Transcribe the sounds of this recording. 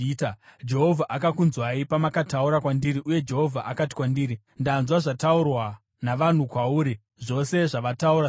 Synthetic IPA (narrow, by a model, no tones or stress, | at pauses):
tad͡ʒe̞ɦo̞vʱaʔakakunzwaipamakatauɾakwandiɾiʔuje̞d͡ʒe̞ɦo̞vʱaʔakati̥kwandiːɾi | ndanzwaʐataurwa | naʋan̤ukwauːɾi | ʐo̞se̞ʐaʋatauɾa